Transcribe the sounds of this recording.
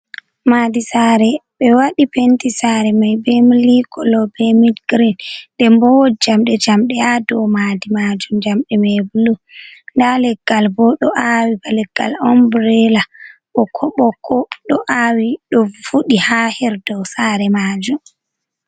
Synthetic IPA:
maːdisaːɾɛɓɛwaɗipentisaɾɛmajbɛmilikʰɔlɔbɛmidɡɾinɗɛmbɔwɔd͡ʒamɗɛd͡ʒamɗɛadɔwmadimad͡ʒumd͡ʒamɗɛmɛbulundalɛɡːalbɔɗɔʔawibalɛɡ̥ːa̰lɔmbɾɛlaɓɔkʰɔɓɔkʰːɔɗɔʔawiɗɔvuɗihahɛɾdɔwsaːɾɛmaːd͡ʒum

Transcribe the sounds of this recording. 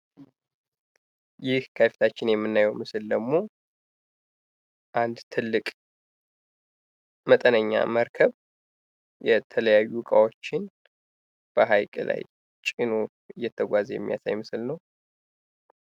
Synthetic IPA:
jɪhkʰəfi̥t̪ʰat͡ʃːɪnjɛmːɨnːajəwmɨsɨld̪əɡmo̞ | ʔand̪t̪ʰɨlːɨkʼ | mət̪ʼənəɲːa̰məɾkʰəβ | jɛt̪ʰələjajːukʼawot͡ʃːɪn | b̥əɦajkʼəla̰j | t͡ʃʼino | ɨjːɛt̪ʰːəɡʷazjɛ̰mːija̰sa̰jmɨsɨlnəw

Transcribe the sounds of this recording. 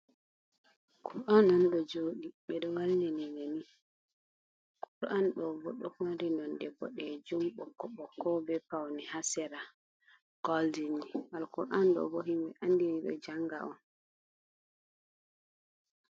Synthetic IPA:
kʰuɾʔanːɔnɗɔd͡ʒoːɗiɓɛɗɔwalnɛnɛnani | kʰuɾʔanɗɔbɔɗɔkanɾinɔnɗɛbɔ̰ɗɛd͡ʒumɓɔkːɔɓɔkːɔbɛpawnihasɛɾa | ɡ̥ɔldiniwalkuɾʔanɗɔ̰bɔɦimbɛ̰ʔandiniɗɔ̰d͡ʒaŋɡa̰ʔɔn

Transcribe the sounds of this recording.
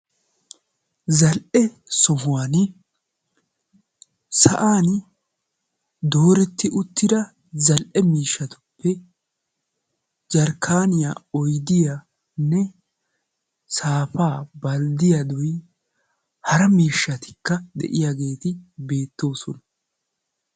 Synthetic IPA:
zɐlʔɛ | sɔɦʊwaːn | sɐ̰ʔaːn | d̪o̞ːɾɛt̪ːɪʔʊt̪ːɪd̪ɐ | zɐlʔɛmiːʃːɐt̪ʊ̥pːɛ | d͡ʒɐɾkʰaːnɪja̰ɔjd̪ɪja | nːɛ | saːfaːbɐld̪ɪjad̪ɔj | hɐɾɐmiːʃːɐt̪ɪ̥kːɐd̪ɛ̰ʔɪjaɡe̞ːt̪ɪbe̞ːt̪ːo̞ːsɔnɐ

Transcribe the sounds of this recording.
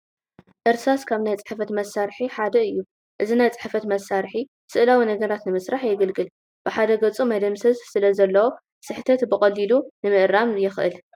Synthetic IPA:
ʔɨɾsaskʰaβnajt͡sʼɨ̥ħfɐt̪mɐsaɾħiħad̪ɐɨjːu | ʔɨzinajt͡sʼɨ̥ħfɐt̪mɐsːaɾħi | sɨʔlawinɐɡɐɾat̪nɨmɨsɾaħjɛɡɨlɡɨl | b̥ɨħad̪ɐɡɐt͡sʼumad̪ɐmsɐzsɨlɐzɐlːɐwo̞ | sɨħt̪ʰɐt̪bɨkʼɐlːilunɨmɨʔɾamjɪxʔɨ̰l

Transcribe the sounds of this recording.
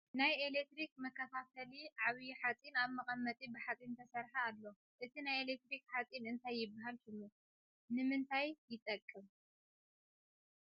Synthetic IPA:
najelek̚t̪ɾikmɐkʰːɐt̪ʰat̪ʰɐliʕaβijħat͡sʼinaβmɐkʼɐmːɐt̪ʼibɨħat͡sʼint̪ʰɐsɐɾħaalːo | ʔɨt̪ʰinajelek̚t̪ɾikħat͡sʼinɨnt̪ʰajːɪbːaɦalkɨmːo | nɨmɨnt̪ʰajːɪt̪ʼɐkʼːɨm

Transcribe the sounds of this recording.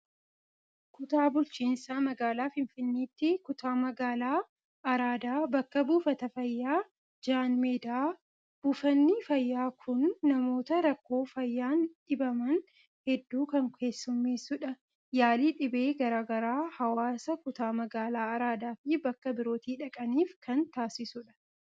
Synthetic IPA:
kʊt̪aːbʊlt͡ʃiːnsaːmɐɡaːlaːfɪnfɪnːiːt̪ːɪkʊt̪ʰaːmɐɡaːlaː | ɐɾaːd̪aːbɐkːɐbuːfɐt̪ɐfɐjːaː | d͡ʒaːnmeːd̪aː | b̥uːfɐnːifɐjːaːkʰʊnːɐmo̞ːt̪ɐɾɐkːo̞ːfɐjːaːnᶑɪbɐmɐn | hɛd̪ːuːkɐŋkʰe̞ːsːʊmːiːsʊᶑɐ | jaːliːᶑɪbe̞ːɡɐɾaːɡɐɾaːhɐwaːsɐkʊt̪aːmɐɡaːlaːɐɾaːd̪aːfɪbɐkːɐbɪɾo̞ːt̪iːᶑɐkʼɐniːfkʰɐnt̪aːsɪsʊᶑɐ̥

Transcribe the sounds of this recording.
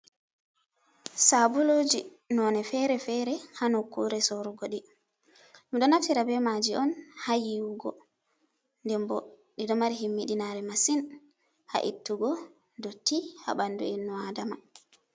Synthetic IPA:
sabulod͡ʒi | nɔnɛfɛɾɛfɛɾɛhanokːuɾɛsoɾuɡoɗi | miɗɔnatiɾabɛmad͡ʒiɔnhajiwuɡɔ̰ | ndɛmbɔ | ɗiɗɔmaɾiɦimːiɗinaɾɛmasin | ha̰ʔitːuɡɔ | dɔtːiha̰banduɛnːuadama

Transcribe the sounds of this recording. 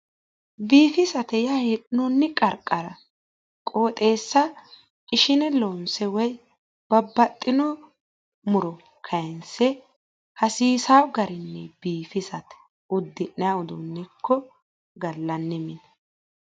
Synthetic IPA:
biːfɪsɐt̪ɛjɐheɗnɔnːɪkʼɐɾkʼːɐɾɐ | kʼoːt̪ʼe̞ːsːɐ | ɪʃɪnɛloːnsɛwɔj | b̥ɐbːɐt̪ʼːɪnɔ | mʊɾɔ | kʰɐnsɛ | hɐsiːsawɡɐɾɪnːɛbiːfɪsɐt̪ɛ̥ | ʊd̪ːɪnːɛaʊd̪ʊnːɛkʰːɔ | ɡɐlːɐnːɪmɪnɐ

